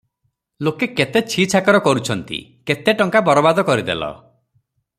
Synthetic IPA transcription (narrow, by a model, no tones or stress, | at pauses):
lokeket̪et͡ʃʰit͡ʃʰakɔɾɔkɔɾut͡ʃʰɔnt̪ḭket̪eʈɔŋkabɔɾɔbad̪ɔkɔɾid̪elɔ̰